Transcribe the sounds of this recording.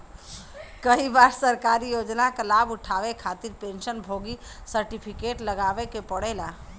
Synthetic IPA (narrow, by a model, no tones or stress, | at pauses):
kəibaɾsəɾkaɾijod͡ʒnakəlabuʈʰaʋekʰat̪iɾpẽnʃənbʱoɡisəɾʈipʰikeʈləɡaʋekepəɽɛla